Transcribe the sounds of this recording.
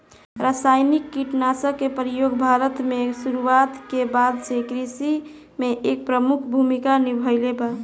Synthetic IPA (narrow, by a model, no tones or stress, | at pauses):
ɾasajnikːiʈnasəkːepɾijoɡbʱaɾət̪mesuɾuat̪kebad̪t͡ʃekɾisi | meʔek̚pɾəmukʰbʱumikanibʱəjleba